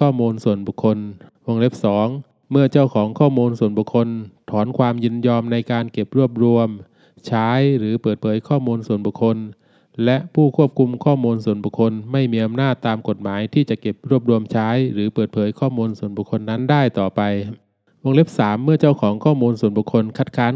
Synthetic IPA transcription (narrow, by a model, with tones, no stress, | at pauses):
kʰɔː˥˩muː˧nsu˨˩ənbuː˨˩kʰːo˧nwo˧ŋle˦˥p̚sɔː˩˦ŋ | mɯ˥˩ɐt͡ɕa˥˩wkʰɔː˩˦ŋkʰɔː˥˩muː˧nsu˨˩ənbu˧˩kʰo˧nt̪ʰɔː˩˦˥nkʰwaː˧mjɯ˧˩njɔː˧mna˧jkaː˧nke˨˩p̚ɾu˥˩əp̚ɾu˧əm | t͡ɕʰaː˦˥jɾɯː˩˦pɤː˨˩t̪̚pʰɤː˩˦jkʰɔː˥˩muː˧nsu˨˩ənbu˨˩kʰo˧n | lɛ˦˥ʔpʰuː˥˩kʰu˥˩əp̚kʰu˧mkʰɔː˥˩muː˧nsu˨˩ənbu˨˩kʰo˧nma˥˩jmiː˧ʔa˧mnaː˥˩t̪ːaː˧mko˨˩t̪̚maː˩˦jt̪ʰiː˥˩t͡ɕa˨˩ke˨˩p̚ɾu˥˩əp̚ɾu˧əmt͡ɕʰaː˦˥jɾɯː˩˦pɤː˨˩t̪̚pʰɤː˩˦jkʰɔː˥˩muː˧nsu˨˩˦nbu˨˩kʰo˧nːa˦˥ndaː˥˩jt̪ɔː˨˩pa˧j | wo˧ŋle˦˥p̚saː˩˦mːɯ˥˩ɐt͡ɕa˥˩wkʰɔː˩˦ŋkʰɔː˥˩muː˧nsu˨˩ənbu˨˩kʰo˧nkʰa˦˥t̪̚kʰaː˦˥